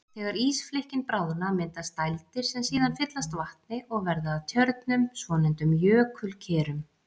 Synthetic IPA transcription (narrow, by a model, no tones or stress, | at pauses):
θɛːɣaɾiːsflehcɪnpɾaːwðʏnamɪnt̪ast̪ajlt̪ɪɾ̥sɛmsiːðanfɪt̪last̪vaht̪nɪʔɔɣvɛɾðaːðt̪ʰjœɾt̪nʏmsvɔːnɪnt̪ʏmjœːkʰʏlcʰɛːɾʏm